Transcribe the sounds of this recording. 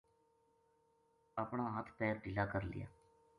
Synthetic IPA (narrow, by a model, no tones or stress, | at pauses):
əpɳãːɦət̪ʰpɛːɾɖɪlaːkəɾlɪ̰ja̰ː